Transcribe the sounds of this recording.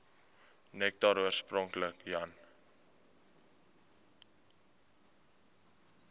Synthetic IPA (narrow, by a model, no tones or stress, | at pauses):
nɛk̚taɾuərsprɔŋkləkjɐn